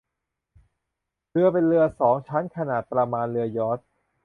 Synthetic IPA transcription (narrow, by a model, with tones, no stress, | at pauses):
lɯ˧ɐpe˧nlɯ˧ɐsɔː˩˦ŋt͡ɕʰa˦˥nkʰa˧naː˨˩t̪̚pɾa˧maː˧nlɯ˧ɐjɔː˦˥t̪̚